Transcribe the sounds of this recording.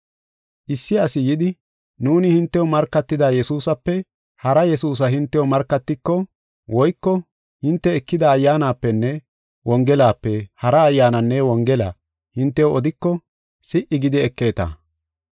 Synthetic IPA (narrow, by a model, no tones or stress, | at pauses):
ʔɪsːɪɐsɪjɪd̪ɪ | nuːnɪhɪnt̪ːɛwɔmɐɾkːɐt̪ːɪd̪aːjɛsuːsɐpːɛ | hɐɾɐjɛsuːs̬ɐɦɪnt̪ːɛwɔmɐɾkːɐt̪ːɪkːɔ | wɔjkːɔ | hɪnt̪ːɛɛkːɪd̪ɐːjːaːnaːpːɛnːɛ | wɔŋɡɛlaːpːɛhɐɾɐːjːaːnɐnːɛwɔŋɡɛla̰ | hɪnt̪ːɛwɔd̪ɪkːɔ | sɪʔɪɡɪd̪ɪɛkːe̞ːt̪ɐ̰